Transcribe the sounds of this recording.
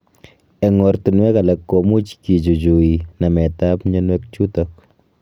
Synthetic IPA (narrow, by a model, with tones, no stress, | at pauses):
ɛ˨ŋɔɾtu˨nwɛ˦ka˨lɛ˨kːomu˦t͡ʃki˨t͡ʃu˨t͡ʃu˨ina˨mɛ˨tapɲɔ˦nwɛk̚t͡ʃu˦tɔk̚